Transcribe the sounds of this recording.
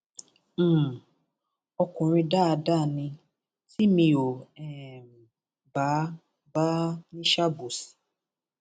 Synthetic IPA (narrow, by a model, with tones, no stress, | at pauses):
ɔ˧kʊ̃˨ɾ̃ĩ˧da˦˨da˦˨nĩ˧ | ti˦mĩ˧o˨ɛ˨m˨ | ba˨˦ | ba˦nĩ˦ʃa˦bu˨si̥˨